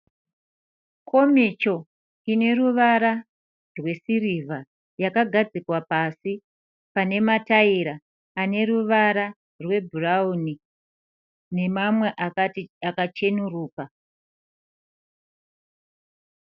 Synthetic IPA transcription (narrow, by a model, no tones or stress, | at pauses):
kʰo̞mit͡ʃo̞ | ine̞ɾuʋaɾa | rwe̞sirivʱa | jakaɡʱad͡zikwapasi | pane̞mataiɾaː | ne̞ruʋaɾa | rwe̞bʱurauni | ne̞mamwe̞ʔaakat͡ʃe̞nuruːka